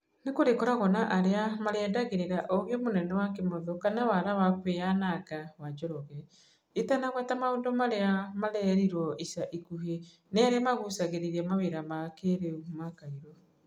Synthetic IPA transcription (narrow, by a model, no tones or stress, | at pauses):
nekoɾekɔɾaɣɔnaʔaɾeamaɾɛdaɣeɾeɾaʔoɣemonɛnɛwakemoðokanawaɾawakweanakawad͡ʒɔɾɔɣɛ | etanaɣwɛtamaondɔmaɾeamaɾɛɾiɾwɔisaʔikuɦe | neaɾeamaɣusaɣeɾeɾɛmaweɾamakeɾeumakaiɾɔ